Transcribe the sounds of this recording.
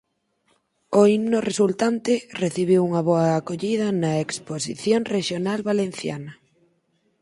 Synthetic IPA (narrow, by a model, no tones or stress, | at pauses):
oimnoresult̪ant̪ɪreθiβ̞iwuŋɐβɔɐːkoʎið̞ɐnɐeksposḭθjoŋreʃjonalβalenθja̰nɐ